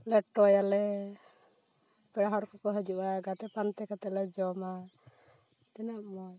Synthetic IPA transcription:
lɛʈɔjalɛ | pɛɽaɦɔɽkɔkɔɦɔd͡ʒuwaɡat̪ɛpant̪ɛkat̪ɛlɛd͡ʒɔma | t̪ɛnaʔmɔj

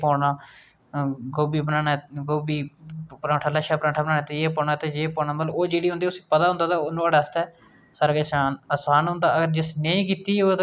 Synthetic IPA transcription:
poːɳaː | ɡoːbiːbənaːnaːɡoːbiːpəɾãːʈʰaːləʃaːpəɾãːʈʰaːbənaːnaːt̪eeːpɔːɳaːt̪eːd͡ʒeːpoːnaːməloːd͡ʒeːɽiːõnd̪iːʊsĩːpət̪aːɦʊ̃nd̪aːt̪aːonaːɽaəst̪ɛː | saːɾaːɡeːsaːnəsaːnɦʊ̃nd̪aːəɡəɾd͡ʒɪsneĩːkiːt̪iːot̪

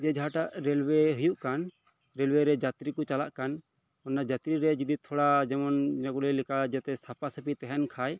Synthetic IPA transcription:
d͡ʒɛd͡ʒaɦaʈaʔɾɛlwɛɦujuʔkan | ɾɛlwɛɾɛd͡ʒat̪ɾikɔt͡ʃalaʔkan | ɔnːad͡ʒat̪ɾiɾɛd͡ʒid̪it̪ʰɔɽad͡ʒɛmɔnd͡ʒaɡuɽɛlɛkad͡ʒɛt̪ɛsapasəpit̪ɛɦɛnkʰaj

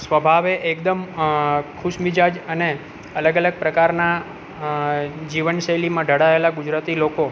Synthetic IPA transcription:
sʋəbʱaʋeʔekd̪əm | kʰʊʃmid͡ʒad͡ʒəne | ələɡələɡ̚pɾəkaɾna | d͡ʒiʋənʃəjlimãɖʱəɽaelaɡud͡ʒɾat̪iloko

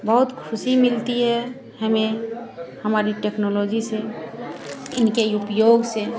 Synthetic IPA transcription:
bəɦʊt̪kʰʊsimɪlt̪iɦɛ | ɦəme | həmaːɾiʈeknoloːd͡ʒise | ɪnkeiupjoɡse

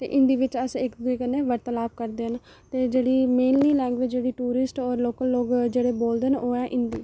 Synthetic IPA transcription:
t̪ḛːʔɪ̃nd̪iːʋɪt͡ʃəsɪkd̪ʊiːkənːẽːʋəɾt̪əlaːpkəɾd̪eːən | t̪eːd͡ʒeːɽiːmeːnliːlɛ̃ːŋɡʋed͡ʒd͡ʒeːɽiːʈuːɾɪsʈɔːɾloːkəlːoːɡd͡ʒeːɽeːboːld̪enʔoːɛ̃ːʔɪnd̪iː

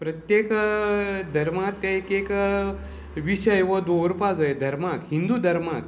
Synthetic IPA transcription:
pɾət̪jek | d̪ʱəɾmak̚t̪aekek | ʋiɕəjʋəd̪oɾpad͡zajed̪ʱɐɾmakɦind̪uːd̪ʱəɾmak̚

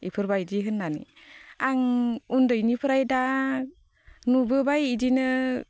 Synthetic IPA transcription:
ipʰɯɾbajdiɦɯnːanḭ | aŋundɯjnipʰɯɾajda | nubɯbajidinɯ

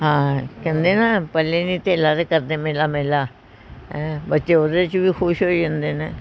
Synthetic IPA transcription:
ɦãːkɛ̃ːnd̪eːnaːpəleːnĩːt̪eːlaːɾeːkəɾd̪eːmeːlaːmeːlaː | ɛ̃ːbətːʃeːoːd̪et͡ʃʋiːkʰʊʃɦoːid͡ʒãːnd̪eːneː

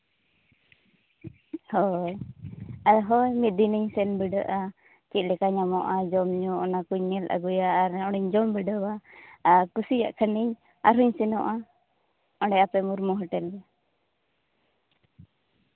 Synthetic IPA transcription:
hɔj | ajɦɔjmit̪̚d̪iniɲsɛnbiɖəʔa | kit̪̚lɛkaɲamɔʔad͡ʒɔmɲuɔnakuɲːɛlʔa̰ɡujaːɾɔɽ̃iɲd͡ʒɔmbiɖəba | kusija̰ʔkʰəniɲ | aɾɦuɲsɛnɔʔa | ɔɖɛapɛmuɾmuɦɔʈɛlɾɛ

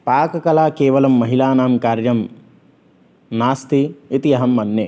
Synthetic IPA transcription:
paːkɐkɐlaːkeːʋɐlɐmːɐɦilaːnaːmkaːɾjɐm | naːst̪iit̪iɐɦɐmːɐnːjḛː

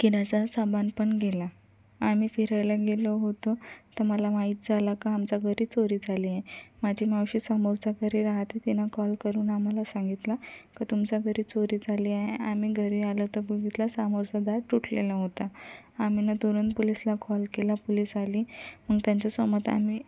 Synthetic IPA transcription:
kiɾat͡sat͡sabanpəɳɡela | amiːfiɾajlaɡeləɦot̪ot̪əɾməlaʋaɦiːt̪̚d͡zʱalakaamt͡saɡʱəɾiːt͡soɾiːd͡zʱaliaemad͡ʑʱimawɕiːsamoɾt͡sakəɾiɾaɦat̪et̪inakɔlkəɾuːnam̤alasaŋɡit̪lakət̪umt͡ɕaɡʱəɾit͡soɾiːd͡zʱaliaɦeamiːɡʱəɾialət̪əbəɡʱit̪lasamoɾt͡sad̪aɾʈːuʈʰlelaɦot̪aam̤inat̪uɾənt̪polislakʰɔlkelapoliːsaliːməɡt̪jaɲt͡ɕasɔmət̪a̰miː

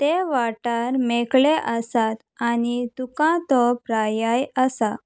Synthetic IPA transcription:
t̪eʋaʈaɾmɛkɭeʔasat̪anit̪ukãt̪ɔpɾajajasa

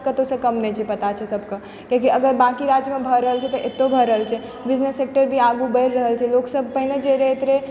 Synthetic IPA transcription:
kət̪osə̃kəmnɛt͡ʃʰɛpət̪at͡ʃʰɛsəbʱkə | kĩkiəɡəɾbãkiɾad͡ʒjəmebʱəɾəɦəlt͡ʃʰɛt̪ɔʔet̪ːobʱəɾəɦəlt͡ʃʰɛ | bid͡ʒnesːek̚ʈəɾbʱiaɡubəjɾːəɦəlt͡ʃʰɛloksəb̚ʱpəɦined͡ʒeɾeet̪ɾe

